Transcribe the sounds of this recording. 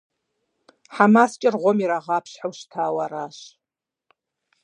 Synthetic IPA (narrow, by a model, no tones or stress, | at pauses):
ħamaːst͡ʃʼɪrʁʷomiɾaʁɑːpʰɕħawʃtʰaːwɐɾaːɕ